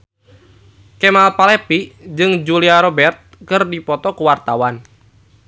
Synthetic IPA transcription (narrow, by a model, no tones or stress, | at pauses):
kɛmalpalɛpid͡ʒɨŋd͡ʒuliaɾɔbɛrt̪̚kɨrdipɔt̪ɔkuwart̪awan